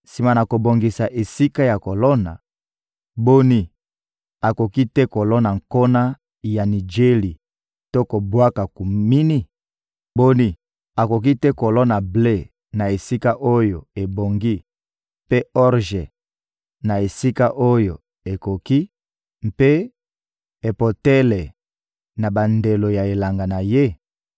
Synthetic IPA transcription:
si˨ma˨na˨ko˨bo˨ŋɡi˨sa˨ʔe˨si˦ka˦ja˨ko˨lɔ˦na̰˨ | bo˦ni˦ | a˨ko˨ki˦tɛ˦ko˨lɔ˦na˨ŋko˦na˦ | ja˨ni˨d͡ʒe˦li˨ | to˦ko˨bwa˦ka˨ku˨mi˦ni˦ | bo˦ni˦ | a˨ko˨k̬i˦tɛ˦ko˨lɔ˦na˨ble˦ | na˨e˨si˦ka˦ʔo˦jo˨e˨bo˨ŋɡi˦ | pe˦ɔ˦ʁʒe˨ | na˨e˨si˦ka˦ʔo˦jo˨ | e˨ko˨ki˦ | mpe˦ | e˨po˨tɛ˦lɛ˨ | na˨ba˨nde˨lo˨ja˨e˨la˨ŋɡa˨na˨je˦

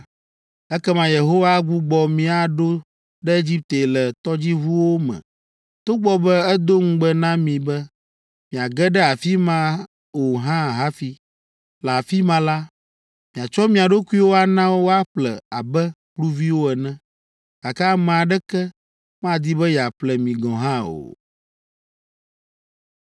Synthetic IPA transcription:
ɛ˦kɛ˦mã˨je˨ɦo˦wa˦ɡu˦ɡ͡bɔ˨mĩ˦a˨ɖo˦ | ɖɛ˦e˦d͡ʑi˦p̚t̪e˨lɛ˨t̪ɔ˦d͡ʑi˦ɦu˦wo˦mɛ̰̃˨ | t̪o˦ɡ͡bɔ˦bɛ˦ɛ˦d̪o˦ŋ̩̃˦ɡ͡bɛ˦nã˦mĩ˨bɛ˦ | mĩ˨a˨ɡɛ˦ɖɛ˦a˨fi˦mã˦ | wo˨ɦã˦˨ɦa˦fi˦ | la˨fi˦mã˦la˦ | mĩ˨a˨t͡ʃɔ˦mĩ˦a˨ɖo˦ku˦i˦wo˦a˨nã˦wo˦wo˦a˦ɸlɛ˨a˨bɛ˦ | ɸlu˦vi˦wo˦ɛ˨nɛ̃˦ | ɡ̥a˨ka˦mɛ̃˨a˨ɖɛ˦kɛ˦ | mã˦d̪i˦bɛ˦ja˨ɸlɛ˨mĩ˨ɡɔ̃˨ɦã˦o̰˨

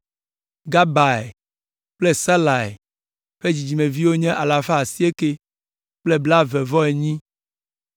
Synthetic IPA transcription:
ɡa˦ba˨e˨ | k͡plɛ˦sa˦la˨ḛ˨ | ɸe˦d͡ʑi˨d͡ʑi˨mẽ˨vi˦wo˦ɲɛ̃˦ʔa˨la˨fa˦a˨si˦e˦ke˦ | k͡plɛ˦bla˦vɛ˨vɔ˦e˨ɲĩ˦

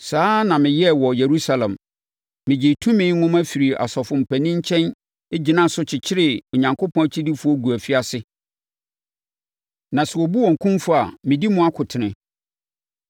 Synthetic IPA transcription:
saː˦nã˨mɪ̃˨jɛ˦wɔ˨je˨ɾu˦sa˦lɛ̰̃˨m | mɪ̃˨d͡ʑɪ˨tʰũ˦mɪ̃˦ŋʊ̃˦mæ˦fi˨ɾi˨ʔa̰˨sɔ˨fʊ̃˨m̩˨pʰæ˨nĩ˦ɲ̩˦t͡ɕʰɛ̃˦n | e˦d͡ʑi˨nã˦˨sʊ˦t͡ɕʰɪ˨t͡ɕʰɪ˦ɾɪ˨o˨ɲã˨ŋkʰo˦pʰɔ̃˦˨t͡ɕʰi˦di˦fu˦ɔ˦ɡu˨æ˨fi˦a˦sɪ˦ | nã˨sɛ˨wɔ˨bu˦wɔ̃˨ŋ̩˨kʰũ˦mfʊ˦a˨mɪ̃˨di˦mʊ̃˦a˦kʰʊ˨tʰɪ˨nɪ̃˨

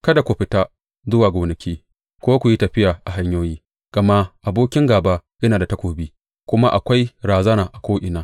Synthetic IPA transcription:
kɐ˦da˨kʷʊ˨ɸɪ˨˦ta˦ | zʊ˦waː˨ɡʷoː˨nɐ˨kʲiː˦ | kʷoː˦kʷu˨ji˦tɐ˨ɸɪ˦jaː˨ʔa˨ɦa˦ɲjoː˦jiː˦ | ɡ̥ɐ˨ma˦ʔa˨boː˦kʲɪ˦ŋɡaː˨ba˦jɐ˦naː˨da˨tɐ˦kʷoː˨biː˦ | kʷʊ˦ma˦ʔa˨kʷa˦jɾaː˨zɐ˦naː˨ʔa˨kʷoː˦ʔɪ˨naː˦

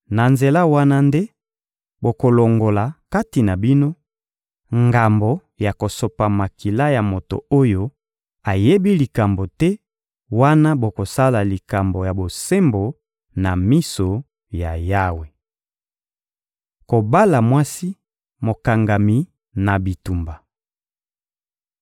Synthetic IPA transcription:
na˨nze˨la˦wa˦na˦nde˦ | bo˨ko˨lo˨ŋɡo˨la˨ka˦ti˨na˨bi˦no˦ | ŋɡa˨mbo˨ | ja˨ko˨so˨pa˨ma˨ki˨la˦ja˨mo˨to̰˨o˦jo˦ | a˨je˦bi˦li˨ka˨mbo˨tɛ˦ | wa˦na˦bo˨ko˨sa˦la˨li˨ka˨mbo˨ja˨bo˨se˦mbo˨ | na˨mi˦so˨ | ja˨ja˦we˨ | ko˨ba˦la˨mwa˦si˦ | mo˨ka˨ŋɡa˨mi˨ | na˨bi˨tu˨mba˨

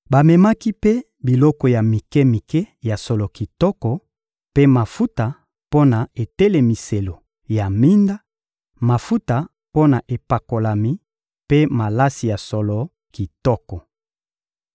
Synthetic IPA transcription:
ba˨mɛ˨ma˦ki˦pe˦ | bi˨lɔ˦kɔ˨ja˨mi˨kɛ˦mi˨kɛ˦ja˨sɔ˨lɔ˨ki˨tɔ˦kɔ˨ | pe˦ma˨fu˦ta˨ | po˦na˨e˨te˦le˨mi˨se˨lo˨ | ja˨mi˦nda˦ | ma˨fu˦ta˨ | po˦na˨ʔe˨pa˨ko˨la˨mi˦ | pe˦ma˨la˦si˨ja˨sɔ˨lɔ˨ | ki˨tɔ˦kɔ˨

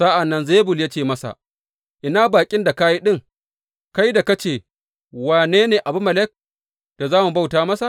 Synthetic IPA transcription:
sa˦ʔa˨nːɐ˦nzeː˦bʊ˨lja˦t͡ʃeː˨mɐ˦sa̰˨ | ʔɪ˨naː˦baː˨kʲʼɪ˦nda˨ka˦ji˦ɗɪ˦ŋ | ka˦jda˨ka˦t͡ʃeː˨ | waː˨neː˦neː˨ʔa˨bʊ˦mːɐ˨lɛ˦k̚ | d̥a˨zaː˦mu˨ba˦wtaː˨˦mɐ˦sa˨

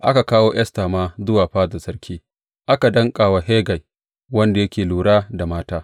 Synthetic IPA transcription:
ʔa˦ka˨kaː˦woː˦jɐ˦staː˨maː˦zʊ˦waː˨ɸaː˦zɐ˨sɐ˦rkʲiː˦ | ʔa˦ka˨dɐ˦ŋkʼaː˨wa˨ɦeː˦ɡa˨j | wɐ˦nda˨jɐ˦kʲeː˨luː˨ɽaː˦da˨maː˦taː˦

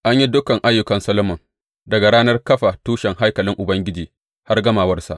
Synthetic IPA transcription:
ʔa˦ɲji˦dʊ˦kɐ˨ŋʔa˦jːʊ˦kɐ˨nsɐ˦lmɔ˨ŋ | dɐ˨ɡa˨ɽaː˦nɐ˦rkɐ˦ɸa˨tuː˦ʃɛ˨ŋɦa˦jkɐ˨lɪ˦ŋʔʊ˨bɐ˦ŋɡʲɪ˦d͡ʒiː˨ | ha˦rɡɐ˦maː˨wɐ˦rsa̰˨ʔ

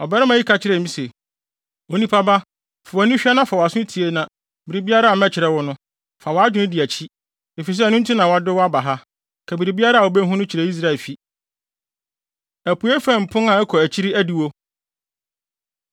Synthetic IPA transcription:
ɔ˨bɛ˦ɾɪ˦mã˨i˦kʰa˨t͡ɕʰɪ˦ɾɛ˨mĩ˦se˨ | o˨nĩ˦pʰa˦ba˦ | fa˨wa˨nʊ̃˦ɕᶣi˦a˦nã˦fa˨wɔ˨a˨sʊ̃˦tʰi˨e˦nã˨ | bi˨ɾi˨bi˦a˦ɾa˦a˨mɛ̃˦t͡ɕʰɪ˨ɾɛ˦wʊ˦nʊ̃˦ | fa˨wɔ˨˦a˦d͡ʑᶣɪ˨˦nɪ̃˦di˨æ˨t͡ɕʰi˦ | e˨fi˨s̬ɛ˦˨nʊ̃˦n˦tʰi˦nã˨wa˨dɪ˦wɔ˦a˦ba˨ɦa˦ | kʰɛ˨bi˨ɾi˨bi˦a˦ɾa˦˨wo˨be˦ɦũ˦nʊ̃˦t͡ɕʰɪ˨ɾɛ˨˦i˦s̬ɾa˦e˨lfi˦ | æ˨pʰu˨e˦fæ̃˦˨m̩˨pʰʊ̃˦nã˨ɛ˦kʰɔ˨æ˨t͡ɕʰi˦ɾi˦æ˦di˨wo˦

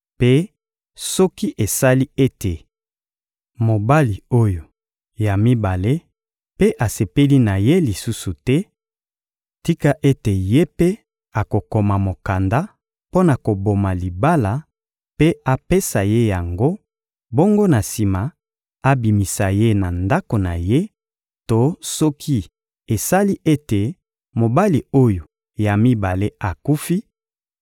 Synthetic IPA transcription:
pe˦ | sɔ˦ki˦ʔe˨sa˦li˦e˦te˨ | mo˨ba˦li˨o˦jo˨ | ja˨mi˦ba˨le˦ | pe˦ʔa˨se˨pe˦li˦na˨je˦li˨su˦su˨tɛ˦ | ti˦ka˦ʔe˦te˨je˦pe˦ | a˨ko˨ko˨ma˨mo˨ka˨nda˦ | po˦na˨ko˨bo˨ma˨li˨ba˦la˨ | pe˦a˨pe˦sa˨je˦ja˨ŋɡo˦ | bo˦ŋɡo˦na˨si˨ma˨ | a˦bi˨mi˨sa˨je˦na˨nda˦ko˨na˨je˦ | to˦sɔ˦kʰi˦ | e˨sa˦li˦ʔe˦te˨ | mo˨ba˦li˨o˦jo˨ | ja˨mi˦ba˨le˦a˨ku˦fi˦

